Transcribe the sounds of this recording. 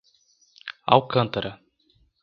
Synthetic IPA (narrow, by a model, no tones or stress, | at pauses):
a̰wkɐ̃nt̪ɐɾɐ